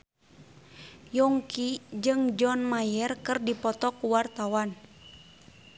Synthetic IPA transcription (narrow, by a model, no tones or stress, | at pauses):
jɔŋkid͡ʒɨŋd͡ʒɔnmajɛrkɨrdipɔt̪ɔkuwart̪awan